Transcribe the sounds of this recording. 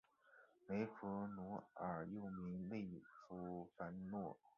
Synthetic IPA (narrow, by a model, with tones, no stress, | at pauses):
me˧˥ɪfu˧˥nu˧˥ə˞˨˩jo˥˩ʊmi˧˥nle˥˩ɪfu˧˥˩fa˧˥nnwɔ˥˩